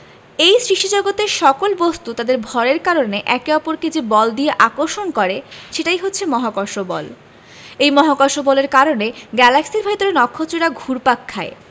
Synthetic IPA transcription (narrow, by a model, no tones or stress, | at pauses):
ejsɾiʃid͡ʑoɡot̪eʃɔkolbost̪ut̪ad̪eɾbʱɔɾeɾkaɾoneʔɛkeɔpoɾked͡ʑebɔld̪ieʔakoɾʃonkɔɾeʃeʈajɦotːɕʰemɔɦakɔʃobɔ̰l | ejmɔɦakɔɾʃobɔleɾkaɾoneɡɛlaksiɾbʱɔjt̪oɾenɔkʰːot͡ɕoɾaɡʱuɾpakʰːae